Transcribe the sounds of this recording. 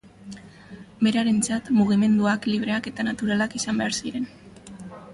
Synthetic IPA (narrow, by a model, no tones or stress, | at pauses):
be̞ɾaɾe̞nt͡sat̪muɣ̞ime̞nd̪uakliβ̞ɾe̞ake̞t̪anat̪uɾalakisambe̞aɾsiɾe̞n